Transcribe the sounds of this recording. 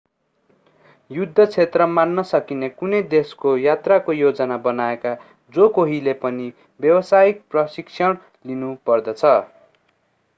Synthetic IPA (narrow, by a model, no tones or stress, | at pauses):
jud̪ʱːʌt͡sʰet̪rʌmanːʌsʌkinekunʌjd̪eskojat̪rakojod͡zʌnabʌnaeka | d͡zokoɦilepʌni | bjʌwʌsajik̚prʌsiksʰjʌɽ̃ | linupʌrd̪ʌt͡sʰʌ